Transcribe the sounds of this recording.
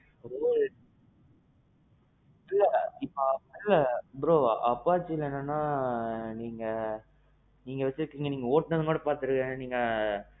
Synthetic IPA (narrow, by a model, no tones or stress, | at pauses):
o | ɪlːɐɪpːoɐpːɪlːɐpɾoːɐpːaːʋt͡ʃːɪlːɛːnːanːaːniːŋɡɐ | niːŋɡɐʋɛt͡ʃːɪɾɯkːiːŋɡɐniːŋɡɐoːʈnɐðɯŋɡoːɽɐpaːɾt̪ɯɾɯkẽniːŋɡɐ